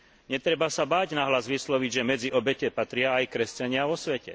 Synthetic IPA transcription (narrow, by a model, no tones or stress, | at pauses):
ɲɛt̪ɾɛbasabaːɟnaɦlazʋislɔʋiɟʒɛmɛd͡ziʔɔbɛcɛpat̪ɾɪaːjkɾɛscaɲɪaʋɔsʋɛcɛ̰